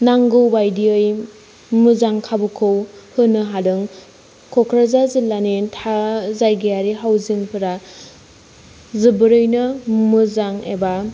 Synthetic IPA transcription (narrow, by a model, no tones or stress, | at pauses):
naŋɡɯwbajdiɯj | mɯzaŋkʰabɯkʰowhɯnɯɦadɯŋ | kʰokʰɾazazilːanetʰazajɡejaɾiɦawziŋpʰɯɾa | zɯbɯɾɯjnɯmɯzaŋḛba